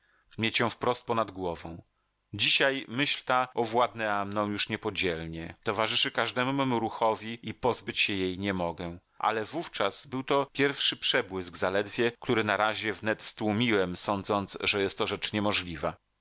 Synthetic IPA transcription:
mʲjet͡ɕjɔ̃w̃fpɾɔst̪̚pɔnad̪ɡwɔvɔ̃w̃ | d͡ʑiɕajmɘɕlt̪aɔvwad̪nɛamnɔ̃w̃juʂɲɛpɔd͡ʑɛlɲɛt̪ɔvaʐɘʂɘkaʐd̪ɛmumumuɾuxɔvʲiipɔzbɘt͡ɕɕɛjejɲɛmɔɡɛ | ʔa̰lɛvuft͡ʂaz̥bɘwt̪ɔpʲjɛɾfʂɘpʂɛbwɘzɡzalɛd̪vʲjɛkt̪uɾɘnaɾaʑɛvnɛt̪st̪wumʲiwɛmsɔnd̪zɔnt̪sʐɛjɛst̪ːɔʐɛt͡ʂɲɛmɔʐlʲiva

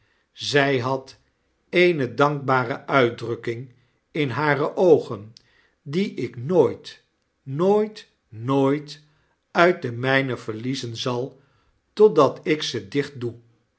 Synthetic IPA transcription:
zɛjɦɑt | ejnədɑŋk̚baːrəʔœɥtdrɵkɪŋ | ɪnɦaːrəʔowχən | diʔɪknoːjt | noːjt | noːjt | œɥt̚dəmɛjnəvəɹlizənzɑlˠ | tɔt̚dɑtɪksədɪχt̚du

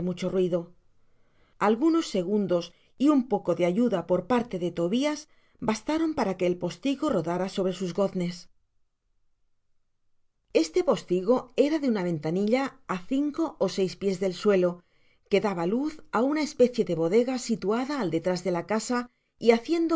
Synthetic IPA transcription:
mut͡ʃo̞rwiðo̞ | alɣuno̞sːe̞ɣ̞und̪o̞s | iumpo̞ko̞ðeaʝuðapo̞ɾpaɾt̪e̞ðe̞t̪o̞βiaz | bast̪aɾo̞mpaɾake̞ːlpo̞st̪iɣo̞ro̞ðaɾaso̞βɾe̞suzɣo̞θne̞s | e̞st̪e̞po̞st̪iɣo̞e̞ɾaðeunaβ̞e̞nt̪aniʎaːθiŋko̞ʔose̞jspje̞zðe̞lswe̞lo̞ | ke̞ðaβaluθaunae̞spe̞θje̞ðe̞β̞o̞ðe̞ɣasit̪uaðaːld̪e̞t̪ɾazðe̞lakasa | iaθje̞nd̪o

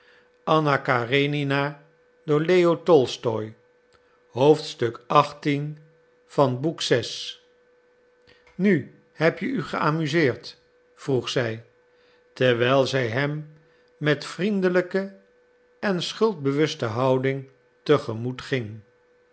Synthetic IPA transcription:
ɑnakarenina | dʊːɹlejotɔlˠstɔj | ɦowftstɵkɑχtin | v̥ɑnbuksɛs | ny | hɛpjəyχəaːmyzɪːɹt | fruχsɛj | tɛɹʋɛjlˠzɛjɦɛmː | ɛtfrindələkə | ɛnsχɵlˠd̚bəʋɵstəɦɑwdɪŋ | təχəmutχɪŋ

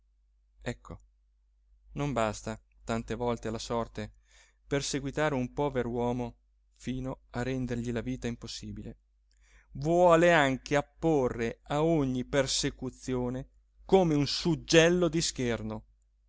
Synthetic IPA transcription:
ɛkʰːo | nombast̪a | t̪ant̪evɔlt̪elasɔrt̪e | perseɡwit̪aːɾeumpɔːveɾowɔːmo | fiːnoarːɛnd̪erʎilaviːt̪aimposːiːbile | vwɔːleaŋkeapːorːeaoɲːipersekut̪sːjoːne | koːmeunsud͡ʒːɛlːod̪isk̟erno

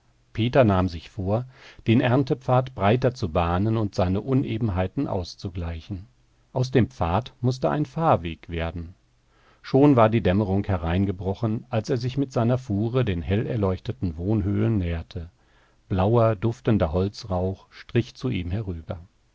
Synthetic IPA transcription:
pʰeːtɐnaːmzɪçfoːɐd̥eːnʔɛɐntəpp͡faːtb̥ʁaɪtɐt͡subaːnənʊntz̥aɪnəʔʊnʔeːbm̩ɦaɪtn̩ʔa̰ʊst͡suɡlaɪçn̩ | ʔaʊsd̥eːmpp͡faːɐtmʊstəʔa̰ɪnfaːɐveːkv̥eːɐdn̩ | ʃoːnvaːɐdiːdɛməʁʊŋkhɛʁaɪnɡəbʁɔχən̩ʔalseːɐzɪçmɪtz̥aɪnɐfuːʁədeːnhɛlɛɐlɔʏçtətn̩voːnɦøːlənːɛːɐtʰə | b̥laʊɐdʊftəndɐɦɔlt͡sʁaʊχʃtʁ̥ɪçt͡suʔiːmhɛʁyːbɐ̰

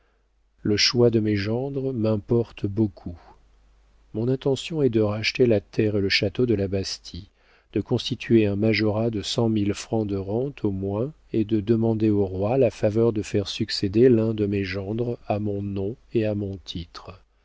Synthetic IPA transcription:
ləʃwad̪əmeʒɑ̃d̪ʁmɛ̃pɔʁt̪bokʰu | mɔ̃nɛ̃t̪ɑ̃sjɔ̃ɛd̪əʁaʃt̪elat̪ʰɛʁeləʃat̪od̪əlabast̪ʰi | d̪̥əkɔ̃st̪it̪ʰɥeɛ̃maʒɔʁad̪əsɑ̃milfχɑ̃d̪əʁɑ̃t̪ʰomwɛ̃ | ed̪əd̪əmɑ̃d̪eoʁwalafavœʁd̪əfɛʁsyksed̪elɛ̃d̪əmeʒɑ̃d̪ʁamɔ̃nɔ̃ | eamɔ̃t̪ʰit̪χ

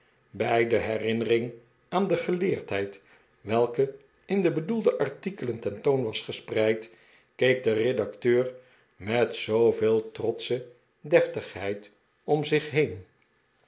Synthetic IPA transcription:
bɛjdəɦɛrɪnərɪŋ | aːndəχəleːɹtɦɛjt | ʋɛlˠkə | ɪndəbədulˠdəʔɑɹtikələntɛntownʋɑsχəsprɛjt | kejk̚dəredɑktøːr | mɛtsowveːlˠtrɔtsə | dɛftəχɦɛjt | ɔmzɪχɦejn

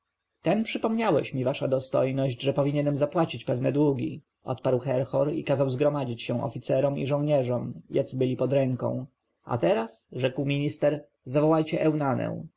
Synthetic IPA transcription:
t̪ɛnpʂɘpɔmɲawɛ̰ɕmʲivaʂad̪ɔst̪ɔ̰jnɔʑd͡ʑʐɛpɔvʲiɲɛnɛmzapwat͡ɕit͡ɕpɛvnɛd̪wuɡʲi | ʔɔ̰t̪paɾwxɛɾxɔɾḭkazawzɡɾɔmad͡ʑit͡ɕɕɛw̃ʔɔ̰fʲit̪sɛɾɔmḭʐɔ̃w̃ɲɛʐɔmjat̪sɘbɘlʲipɔd̪ɾɛŋkɔ̰̃w̃ | ʔa̰t̪ɛɾasʐɛkwmʲiɲist̪ɛɾ | zavɔwajt͡ɕɛʔɛwnanɛ̰w̃

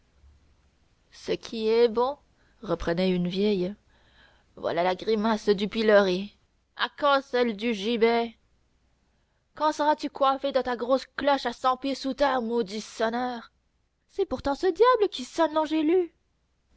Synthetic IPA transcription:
səkʲʰiɛbɔ̃ | ʁəpχənɛynvjɛj | vwa̰lalaɡʁimasd̪ypiləʁe | a̰kɑ̃sɛld̪yʒibɛ | kɑ̃səʁat̪ykwafed̪ɑt̪aɡʁosklɔʃasɑ̃pjesut̪ɛʁmod̪isɔnœːʁ | sɛpuʁt̪ɑ̃səd̪jabləkʲisɔnd̪ɔ̃ʒely

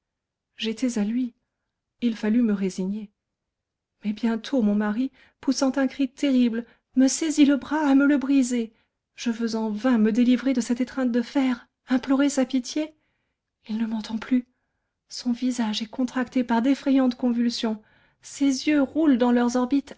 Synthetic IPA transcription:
ʒet̪ɛzalɥi | ilfalyməʁeziɲe | mɛbjɛ̃t̪ʰomɔ̃maʁi | pusɑ̃t̪ɛ̃kχit̪eʁibl | məseziləbʁaːmələbʁize | ʒ̥əvøzɑ̃vɛ̃məd̪elivʁed̪əsɛt̪et̪χɛ̃t̪̚d̪əfɛʁ | ɛ̃plɔʁesapit̪je | ilnəmɑ̃t̪ɑ̃ply | sɔ̃vizaʒɛkɔ̃t̪χakt̪epaʁd̪efχɛjɑ̃t̪kɔ̃vylsjɔ̃ | sezjøʁuld̪ɑ̃lœʁzɔʁbit̪

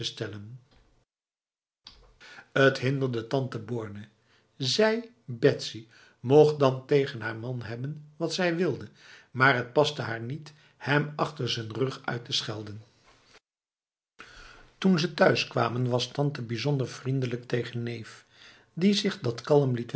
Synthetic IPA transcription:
əstɛlən | ətɦɪndəɹdətɑntəbʊːɹnə | zɛj | bɛtsi | moχdɑntejχənɦaːɹmɑnɦɛbənʋɑtsɛjʋɪlˠdə | maːɹɦət̚pɑstəɦaːɹnit | hɛmɑχtəɹzənrɵχœ̰ɥtəsχɛlˠdən | tunzətœɥskʋa̰ːmənʋɑstɑntəbizɔndəɹv̥rindələk̚tejχənːejf | dizɪχdɑtkɑlˠəmlit

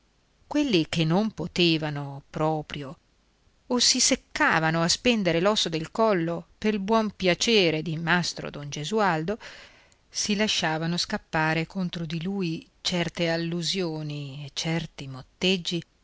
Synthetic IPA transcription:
kwelːik̟enːompot̪eːvanopɾɔːpɾjo | osisekːaːvanoaspɛnd̪eɾelɔsːod̪elkɔlːopeɾilbwɔmpjat͡ʃeːɾed̪imast̪ɾo̰d̪ond͡ʒezuald̪o | silaʃːaːvanoskapːaːɾekont̪ɾod̪iluːi | t͡ʃɛrt̪ealːuzjoːniet͡ʃːɛrt̪imot̪ːed͡ʒːi

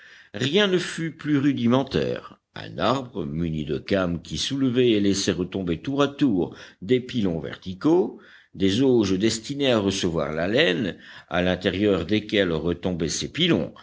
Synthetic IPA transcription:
ʁjɛ̃nəfyplyʁyd̪imɑ̃t̪ɛ̰ːʁ | ɛ̰̃naʁbʁəmynid̪əkamkʲisulvɛːlɛsɛʁət̪ɔ̃bet̪uʁat̪uːʁd̪epilɔ̃vɛ̰ʁt̪iko | d̪ezoʒəd̪ɛst̪ineaʁəsəvwa̰ʁlalɛna̰lɛ̃t̪eʁjœʁd̪ekʲɛlʁət̪ɔ̃bɛsepilɔ̰̃

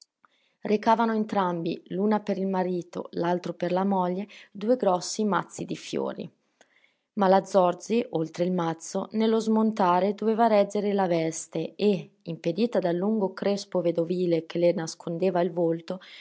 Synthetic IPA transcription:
rekaːvanoent̪ɾambḭlunapeɾilmaɾiːt̪o̰lalt̪ɾoperlamɔʎːed̪uːeɡɾɔsːimat̪sːid̪ifjo̰ːɾḭ | malad̪zːɔrd͡ʒiʔolt̪ɾeilmat̪sːonelːozmont̪aːɾed̪oveːvaɾɛd͡ʒeɾelavɛst̪ee | imped̪iːt̪ad̪alːuŋɡokɾespoved̪oviːlekʰelenaskʰond̪eːvailvolt̪o

